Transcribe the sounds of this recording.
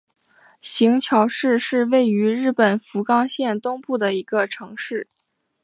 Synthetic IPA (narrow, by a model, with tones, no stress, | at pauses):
ɕi˧˥ŋt͡ɕʰjɑ˧˥ʊʂɻ̩˥˧ʂɻ̩˥˧we˥˩ɪy˧˥ɻɻ̩˥˩pə˨˩nfu˧˥kɑ˥ŋɕjɛ˥˧nt̪ʊ˥ŋpu˥˩d̪ə˩i˧˥ɡ̥ə˧ʈ͡ʂʰɤ˧˥ŋʂɻ̩˥˩